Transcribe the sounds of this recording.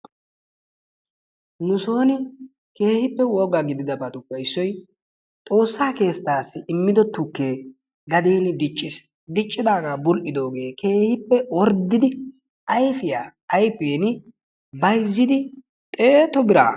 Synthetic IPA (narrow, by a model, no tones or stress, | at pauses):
nʊso̞ːnɪ | ke̞ːhɪpːɛwɔɡaɡɪd̪ɪd̪ɐbɐt̪ʊpːɐɪsːɔj | t̪ʼo̞ːsːaːke̞ːst̪ːaːsːɪɪmːɪd̪ɔt̪ːʊkːe̞ː | ɡɐd̪eːnɪd̪ɪt͡ʃʼːɪs | d̪ɪt͡ʃʼːɪd̪aːɡaːbʊlʔɪd̪o̞ːɡe̞ːkʰe̞ːhɪpːɛwɔɾd̪ːɪd̪ɪ | ɐjfɪjaːjfeːnɪ | bɐjzːɪd̪ɪ | t̪ʼeːt̪ɔbɪɾa̰ː